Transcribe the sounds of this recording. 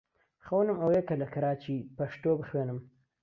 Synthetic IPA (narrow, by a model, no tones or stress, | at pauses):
xawnʊmawekalakaɾɑːt͡ʃipaʃt̪obxwenəm